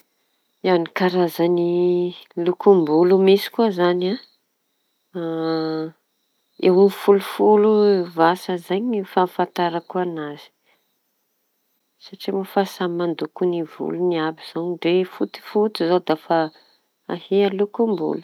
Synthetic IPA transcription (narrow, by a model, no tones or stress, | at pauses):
jawnikaɾazani | lukumbulumisi̥kuazana | ewnifulufuluvasazaɲifafant̪aɾakuanaz̥i̥ | saʈ͡ʂimafasamand̪ukunivṵluniabiz̥oɖ͡ʐefut̪i̥fut̪izod̪afa | ahealukumbṵlu̥